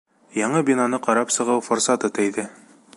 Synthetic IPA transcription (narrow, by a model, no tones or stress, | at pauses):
jɑɴɤbʲinanɤqɑɾɑpsɤ̆ʁɤwfoɾsɑt̪ɤt̪æjðɘ